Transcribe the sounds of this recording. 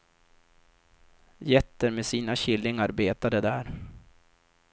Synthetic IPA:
jɛt̪ːəɾmeːsiːnaɕɪlːɪŋaɾbeːt̪ad̪əd̪æːɾ

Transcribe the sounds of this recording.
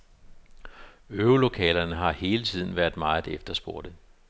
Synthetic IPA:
øːlo̝kʰɛ̰ːlɐnəɦɑ̈he̝ːlət͡sʰið̞̰ˠn̩ʋæɐ̰d̥ˠmɑ̈ːð̩ˠefd̥ɐsb̥o̝ɐ̰d̥ə

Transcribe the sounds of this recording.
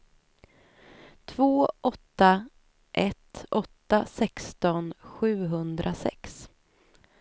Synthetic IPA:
t̪ʰvoːʔɔt̪ːa | ʔɛt̪ɔt̪ːasɛkst̪ɔnɧʉ̟ːɦɵnd̪ɾʔasɛ̰ks

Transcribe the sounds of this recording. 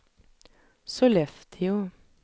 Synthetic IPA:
soːlɛfd̪ʰəjuː

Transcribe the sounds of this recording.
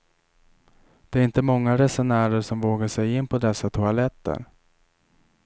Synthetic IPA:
d̪̥ɛæɾɪnt̪əmɔŋːaɾɛsɛnæːɾəʂɔmvoːɡaʂɛjɪnːpʰɔd̪ɛsːat̪ʰʊalɛt̪ːə̰ɾ

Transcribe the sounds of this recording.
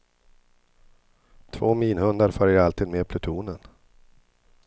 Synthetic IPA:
t̪ʰvoːmiːnhɵnd̪aɾfœɾjaalt̪ʰiːd̪meːpʰlɵt̪ʰuːnən

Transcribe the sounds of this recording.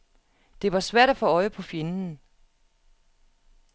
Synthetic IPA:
d̥e̝ʋɑ̈sʋæɐ̰ɾæfɔ̽ɒ̽ɪəpʰɒ̽fjenn̩

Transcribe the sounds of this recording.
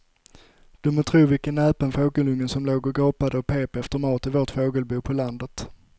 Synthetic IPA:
d̪̥ɵmɔt̪ʰɾuːvɪlkənɛːpənfoːɡəlɵŋːənsɔmloːɡɔɡoːpad̪əɔpʰeːpɛft̪əɾmɑːt̪ɪvoːʈfoːɡəlbuːpʰɔland̪ət̪

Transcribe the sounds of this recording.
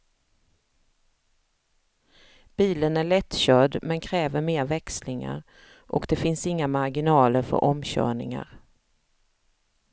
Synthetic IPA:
b̥iːlənæɭɛt̪ːɕœɖmɛnkʰɾɛːvəɾmeːɾvɛkslɪŋa̰ɾ | ʔɔkd̪ɛfɪnsɪŋːamaɾɡɪnɑːləɾfœ̰ɾʔɔmɕœ̰ːɳɪŋa̰ɾ

